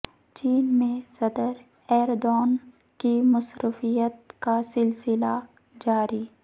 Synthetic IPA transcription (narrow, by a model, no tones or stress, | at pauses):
t͡ʃiːnmẽsɐd̪əɾ | ɛːɾd̪ɔːn | kimʊsɾʊfijət̪kasɪlsɪla | d͡ʒaːɾiː